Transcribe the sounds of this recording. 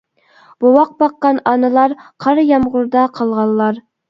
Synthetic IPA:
b̥owɑq̚bɑqːɑnɑnɨlˠɑɾqʰɑɾjɑmʁʊɾd̪ɑqʰɑlˠʁɑlˠlːˠɑɾ

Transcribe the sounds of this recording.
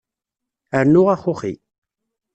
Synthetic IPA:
əɾnʊʁaχʊχḭ

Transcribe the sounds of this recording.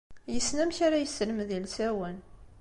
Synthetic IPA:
jəsnæmçaɾajəsːələmðilsæwən

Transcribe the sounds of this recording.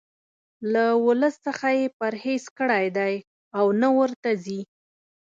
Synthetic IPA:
lawʊləsːəxajepaɾhezkəɽajd̪aj | awnawəɾt̪azi

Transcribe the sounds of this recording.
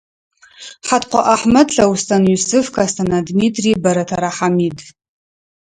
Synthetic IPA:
ħatʰqʷa̰ʔaħmadɬawustʰʼanɥysɨfkʰʼastʰanadmitʰʼribaɾatʰaɾaħamidʼ

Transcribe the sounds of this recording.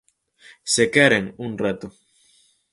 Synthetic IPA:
sekeɾeŋunret̪o

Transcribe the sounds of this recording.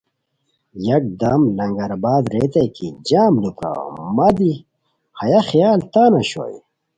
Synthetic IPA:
jɐk̚d̪ɐmlɐŋɡɐɾabaːd̪ɾeːt̪ejkid͡ʑaːmlukɾa̰mɐd̪i | hɐjaxijaːlt̪aːnɐɕo̰j

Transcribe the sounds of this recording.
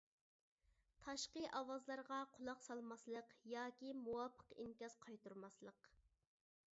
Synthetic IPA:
t̪ʰɑʃqəʔɑwɑzlˠɑɾʁɑqʰʊlˠɑqsɑlˠmɑslˠəqjɑːkʲimuwɑpʰːə̥qḭŋkʲɑsqʰɑjt̪uɾmɑslˠəq

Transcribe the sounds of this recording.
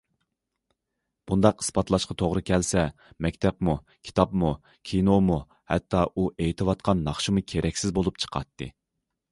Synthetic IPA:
b̥und̪ɑqɨ̥spɑt̪ʰlˠɑʃqɑt̪ʰoʁɾɨkʲʰɛlsɛ | mɛkʲt̪ʰɛpmu | kʲʰi̥t̪ʰɑpmu | kʲʰinomu | hɛ̰t̪ʰːɑʔuʔejt̪ʰɨwɑt̪qʰɑnːɑχʃimukʲʰeɾʔɛkʲsɪzbolˠupt͡ʃʰə̥qʰɑ̰t̪ʰːɨ̰

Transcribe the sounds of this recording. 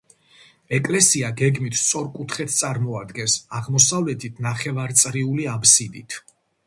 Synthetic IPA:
ɛkʼlɛsiaɡɛɡmit̪ʰt̪sʼɔɾkʼut̪ʰχɛt̪ʰt̪sʼaɾmɔad̪ɡɛnsaʁmɔsavlɛt̪ʰit̪ʰnaχɛvaɾt̪sʼɾiuliabsid̪it̪ʰ

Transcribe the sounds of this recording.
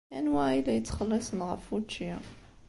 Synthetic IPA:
æ̰nwæilæjət͡sːχəlːɑsənʁə̰fut͡ʃːi

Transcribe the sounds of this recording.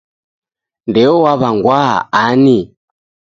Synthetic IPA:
ndɛɔwaβaŋɡwa̰ani

